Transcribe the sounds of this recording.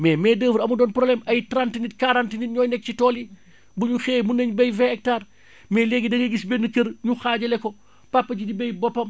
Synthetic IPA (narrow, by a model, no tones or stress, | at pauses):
mɛːmɛdəːfəɾɐmudɔːnpɾɔblɛmɐjtɾantinit̚kaɾantinit̚ɲɔːjnɛk̚citɔːli | buɲuxɛːmunːɐɲbɐjvɛɛk̚taːr | mɛːleɡidɐɡeɡisbɛnːəkɐɾɲuxaːɟɐlɛkɔ | papːɐɟidibɐjbɔpːɐm